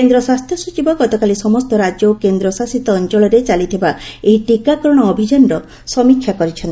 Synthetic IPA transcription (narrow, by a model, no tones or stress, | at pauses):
end̪ɾɔswast̪ʰjɔsut͡ʃibɔɡɔt̪ɔkalisɔmɔst̪ɔɾad͡ʒjowkend̪ɾɔsasit̪ɔːnt͡ʃɔɭɔɾet͡ʃalit̪ʰibaeɦiʈikakɾɔɽ̃ɔːbʱid͡ʒanɾɔ | sɔmikʰːjakɔɾit͡ʃʰɔnt̪i